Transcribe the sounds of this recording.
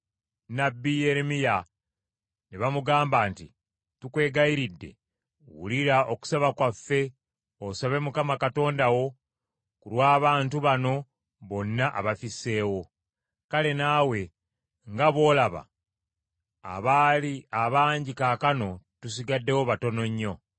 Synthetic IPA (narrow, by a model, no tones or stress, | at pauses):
nabːijeɾemija | neβamuɡaːmbaːntḭ | tukwe̞ːɡaiɾidːe̞̰ | wṵliɾao̞ku̥saβakwafːe̞ | osaβe̞mukamakato̞ːndawo̞ | kuɾwaːβaːntuβano̞ | βo̞nːaʔa̰βafise̞ːwo̞ | kale̞naːwe̞ | ŋɡaβo̞ːlaβa̰ | βaːliaβaːɲɟikaːkano̞tus̬iɡadːe̞wo̞βato̞no̞ɲːo̞